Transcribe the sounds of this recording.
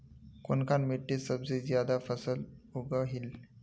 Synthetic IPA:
konkanmiʈːesəbd͡zezjad̪afəsəluɡəɦil

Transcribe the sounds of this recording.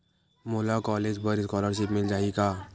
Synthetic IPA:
moːlakɔːleːd͡ʒbəɾskɔːləɾʃ̬ɪpmɪld͡ʒaːikaː

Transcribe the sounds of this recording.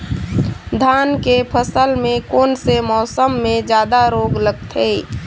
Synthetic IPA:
d̪ʱaːnkepʰəsəlmẽkoːnsemɔːsəmːẽd͡ʒjaːd̪aɾoːɡləɡ̚t̪ʰɦeː

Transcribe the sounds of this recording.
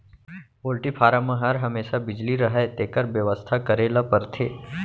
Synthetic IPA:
poːlʈipʰaːɾamə̃ɦɐɾɦɐmeːʃabɪd͡ʒliɾɐɦɛt̪eːkəɾbjəʋəst̪ʰakɐɾeːlapɐɾt̪ʰeː

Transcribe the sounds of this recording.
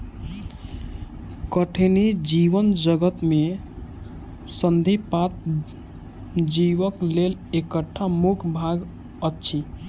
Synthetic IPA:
kəʈʰenid͡ʒiʋənd͡ʒəɡət̪me | sənd̪ʱipat̪̚ | d͡ʒiʋəklelekəʈʰːamukʰbʱaɡ | ətːʃʰi

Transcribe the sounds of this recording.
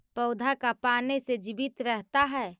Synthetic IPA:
pəʊd̪ʱakapaːnesed͡ʒɪbɪt̪ɾɛɦt̪aɦɛː

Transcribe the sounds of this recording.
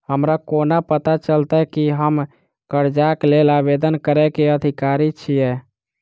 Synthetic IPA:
həmɾakonapət̪at͡ʃəlt̪ɛkiɦəm | kəɾd͡ʒaklelabed̪ənkəɾɛkeəd̪ʱikaɾit͡ʃʰijɛ

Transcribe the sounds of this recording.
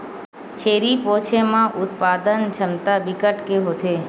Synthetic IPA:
t͡ʃʰeːɾipɔ̃t͡ʃʰemãʔʊt̪pad̪ənd͡ʒʰəmt̪abikəʈkeɦot̪ʰe

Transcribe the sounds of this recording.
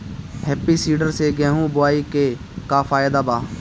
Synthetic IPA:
hɛːpiːsiːɖəɾseːɡɛ̃ːɦũːbʊaːiːkeː | kaːfʰaːjd̪aːbaː

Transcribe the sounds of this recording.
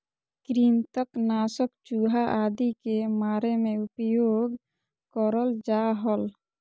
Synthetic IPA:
kɾiːnt̪əknaːsəkt͡ʃuɦaʔaːd̪ikemaːɾemẽupjoːɡ | kəɾəld͡ʒaɦəl

